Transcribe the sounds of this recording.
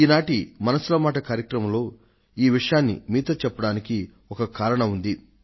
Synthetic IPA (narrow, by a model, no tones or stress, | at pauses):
iːnaːʈimɐnɐsulɐmaːʈɐkaːɾjɐkɾɐmɐmlo̞ː | iːʋiʂɐjaːnːḭmiːt̪ɐt͡ʃɛpːɐɽaːniki | ɔkɐkaːɾɐɳɐund̪i